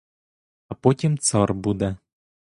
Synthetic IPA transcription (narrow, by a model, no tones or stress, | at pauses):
ɐpɔtʲimt̪sɑrbud̪ɛ